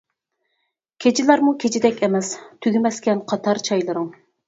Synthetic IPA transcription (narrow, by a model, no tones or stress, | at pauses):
kʲʰet͡ʃʰilˠɑɾmukʲʰet͡ʃʰid̪ɛkʲɛmɛst̪ʰyɡʲymɛskʲɛnqʰɑt̪ʰɑɾt͡ʃʰɑjlˠɨɾʊŋ